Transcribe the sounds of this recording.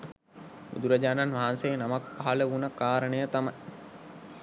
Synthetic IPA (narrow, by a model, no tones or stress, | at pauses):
bṵd̪uɾəd͡ʒaːnanʋaɦːnsejnamak̚paɦɐləunəkaːɾənəjət̪amaj